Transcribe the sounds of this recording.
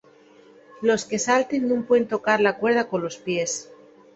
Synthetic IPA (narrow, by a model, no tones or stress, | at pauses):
lo̞ske̞salt̪e̞nnũŋpweent̪o̞kaɾlakwe̞ɾð̞ako̞nlo̞spje̞s